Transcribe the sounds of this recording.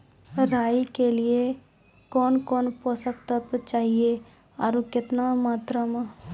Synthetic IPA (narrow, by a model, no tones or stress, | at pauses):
ɾaːikelie | kɔːnkɔːnpɔsəkt̪ət̪t͡ʃaːɦie | aɾukɪt̪namaːt̪ɾəm